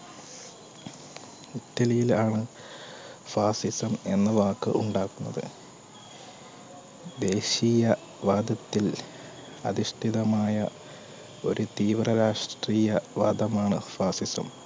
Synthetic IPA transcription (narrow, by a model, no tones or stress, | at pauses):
itːɐlijilaːɳɨ | faːsisɐme̞nːɨʋaːkːɨ̰ʔuɳɖaːɣunːɐðɨ̰ | d̪e̞ːɕiːjɐ | ʋaːd̪ɐt̪ːil | ɐ̰ðiʂt̪ʰiðɐmaːjɐ | o̞ɾut̪iːʋrɐɾaːʂʈriːjɐʋa̰ːd̪ɐmaːɳɨ̰faːsisɐ̰m